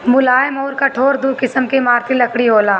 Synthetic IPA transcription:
mʊlaːjɪmɔːɾkɐʈʰoːɾd̪ukɪsəmkimaːɾt̪ʰilɐkɽiɦoːlaː

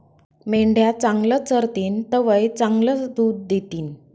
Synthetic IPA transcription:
meɳɖjat͡saŋɡlət͡səɾt̪iːnt̪əʋəjt͡saŋɡlət͡sd̪uːd̪̚ːet̪iːn

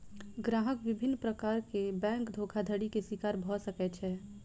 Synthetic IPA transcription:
ɡɾaːɦəkʋɪbʱɪnːpɾəkaːɾkebɛ̃ːŋkd̪ʱoːkʰad̪ʱəɽikesɪkaːɾbʱɔsəkɛt͡ʃʰɛː

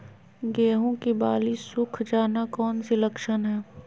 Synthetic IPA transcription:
ɡeːɦõkibaːlisʊkʰd͡ʒaːnakɔːnsiləkʃənɦɛː

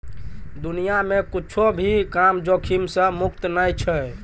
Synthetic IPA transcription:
d̪unijamekit͡ʃʰobʱikamd͡ʒokʰimsə̃mukt̪nəjt͡ʃʰə

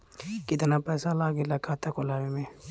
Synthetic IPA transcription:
kɪt̪napɛːsalaːɡelakʰaːt̪akolaːʋemẽ

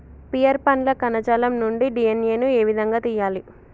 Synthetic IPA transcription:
pijɐɾpɐnlɐkɐnɐd͡ʒɐːlɐmnuɳɖiɖieneːnueːʋid̪ʱɐŋɡaːt̪ijaːli

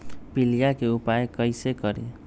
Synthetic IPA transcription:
pilijakeupajekʌjsekʌɾḛ

